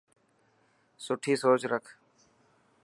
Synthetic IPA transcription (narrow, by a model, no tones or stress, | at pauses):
sʊʈʰiːsoːt͡ʃɾəkʰ